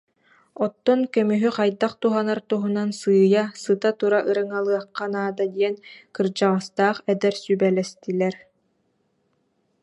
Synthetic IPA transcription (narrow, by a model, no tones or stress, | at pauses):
ɔt̪ːɔnkœmyɦyqajd̪aqt̪uɦanaɾt̪uɦunansɯːjasɯt̪at̪uɾaʔɯɾɯŋalˠɯɐqːanaːd̪ad̪iɛnkɯɾd͡ʒaʁast̪aːχɛd̪ɛɾsybɛlɛst̪ilɛɾ